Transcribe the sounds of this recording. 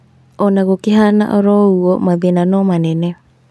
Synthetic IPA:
onaɣukiɦana̰ʔoɾɔuɔmaðinanɔmanɛnɛ

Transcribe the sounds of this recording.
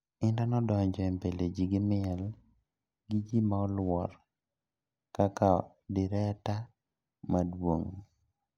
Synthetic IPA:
ɪndanɔdɔɲd͡ʒɔɛmpeled͡ʒiɡɪmɪɛl | ɡid͡ʒimaɔlwɔɾ | kaka | dɪɾɛta | madwoŋ

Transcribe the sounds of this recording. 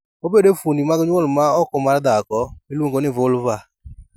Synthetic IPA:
obedefunimaɡɪɲɔlʊmaɔkɔmaɾadakɔelŋɡonevolʊva

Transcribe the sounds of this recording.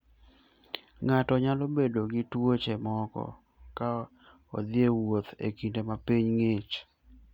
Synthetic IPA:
ŋatɔɲalobedoɡɪtwot͡ʃemɔkɔ̰ | ka | o̰d̪ɪewot̪ḛkindemapiɲŋet͡ʃ

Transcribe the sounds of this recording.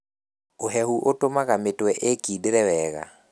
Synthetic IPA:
oɦɛɦuʔotomaɣametwɛʔekidɾɛwɛɣa̰

